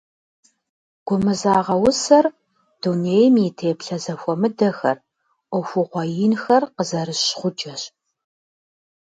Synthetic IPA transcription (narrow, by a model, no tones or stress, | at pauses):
ɡ̥ʷʊmɨzaːʁɐwʊsɐr | d̥uneːjmjɪtʰeːpɬɐzɐxʷɔmɨdɐxɐ̰r | ʔʷɔxʷʊʁʷɔjɪnxɐrqəzɐɾɨɕχʷʊd͡ʒɐɕ